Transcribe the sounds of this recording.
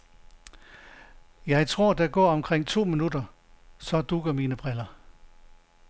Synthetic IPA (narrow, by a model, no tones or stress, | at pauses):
jɑ̈ɪt͡sʰʁo̝ɐ̰d̥ɑ̈ɡ̥ɒ̰ɐɒ̽mkʰʁeŋ̰t͡sʰo̝̰ːminud̥ɐ | sɒ̽d̥uɡ̥ɐmiːnəb̥ʁɛlɐ